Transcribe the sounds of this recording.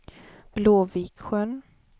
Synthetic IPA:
b̥loːvikɧən

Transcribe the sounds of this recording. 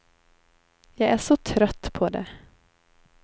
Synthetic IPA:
jɑɡæʂɔt̪ʰɾœt̪ːpʰɔd̪ɛ̰

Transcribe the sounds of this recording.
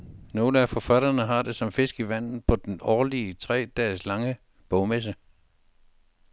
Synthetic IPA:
no̝ːləæfɒ̽fæɾ̥ɐnəɦɑ̈d̥e̝sɒ̽mfe̝sɡ̥iʋæn̰ð̩ˠpʰɒ̽d̥enɒːliət͡sʰʁɛ̰ːd̥ɛːslɑ̈ŋə | b̥ɔʊmes̬ə

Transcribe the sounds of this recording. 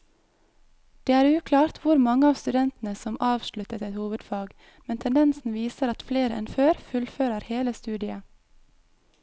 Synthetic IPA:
d̪̥eːæːɾʉːkʰlɑːɾt̪ʰʋʊɾmɑŋəɑːʋst̪ʉd̪ɛnt̪n̩əsɔmʔɑːʋʃlʉt̪ət̪ɛt̪huːʋəd̪fɑːɡ | mɛnt̪ʰɛnd̪ɛnsn̩ʋiːsəɾɑt̪fleːɾɛ̰nføːɾfʉlføːɾəɾheːləst̪ʉːd̪ɪə

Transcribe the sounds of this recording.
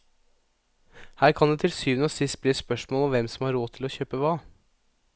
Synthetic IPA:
hæːɾkʰɑnd̪ɛeːt̪ʰɪlsyːʋənəoːsɪst̪̚bliːspœʂmoːlɔmʋɛmsɔmhɑɾoːt̪ʰɪlɔçøːpəʋɑː

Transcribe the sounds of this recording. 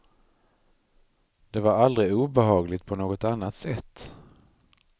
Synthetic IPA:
d̪̥ɛvaɾald̪ɾɪuːbɛɦɑːɡlɪt̪̚pʰɔnoːɡɔt̪anːat̪sɛt̪ː

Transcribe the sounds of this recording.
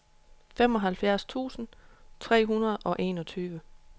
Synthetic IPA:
fem̰ɒ̽ɦælfjæɐst͡sʰṵːsn̩t͡sʰʁɛ̰ːɦunɐð̞̩ˠɒ̽ʔe̝ːnɒ̽t͡sʰyːʋə

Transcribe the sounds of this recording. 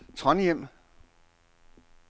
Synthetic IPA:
t͡sʰʁɒ̽njem̰

